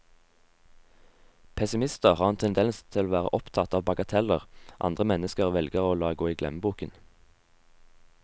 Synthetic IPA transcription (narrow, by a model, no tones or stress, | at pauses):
pʰɛsɪmɪst̪əʁhɑːʁɛnt̪ʰɛnd̪ɛnst̪ʰɪloːʋæːʁə̰ʔɔpt̪ʰɑt̪ɑːʋbɑɡɑt̪ʰɛləʁʔɑ̰nd̪ʁəmɛnəskəʁʋɛlɡəʁoːlɑːɡoːiːɡlɛ̰məbuːkən